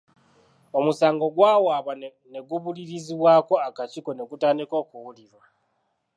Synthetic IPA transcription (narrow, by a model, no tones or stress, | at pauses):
o̞musaːŋɡo̞ɡwaːwaβa | ne̞ɡuβuliɾiziβwaːko̞akaciko̞ne̞ɡutaːndiko̞ːkuwuliɾwa